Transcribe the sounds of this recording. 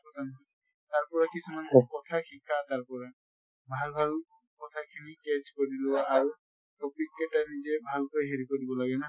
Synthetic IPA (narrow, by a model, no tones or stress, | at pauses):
pɔtʰanti | taɹpɔɹakisumankɔtʰaxʰikʰːataɹpɔɹa | bʱalbʱal | kɔtʰakʰinikɛskoɹilowaʔːɹu | tɔpikːɛtanizɛbʱalkɔɦeɹikodibɔlaɡɛna